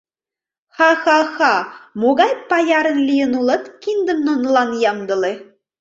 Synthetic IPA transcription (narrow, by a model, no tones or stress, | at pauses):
xɑxɑxɑmoɣɑjpɑjɑɾə̆nlʲijə̆nulɤ̆t̪kind̪ə̆mnonlɑnjɑmd̪ɤ̆le